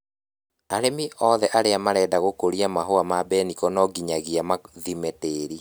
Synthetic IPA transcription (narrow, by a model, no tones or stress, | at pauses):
aɾemiɔðɛʔaɾeamaɾɛdaɣokoɾiamaɦoamabɛnikɔnɔɡiɲaɣiamaðimeteːɾi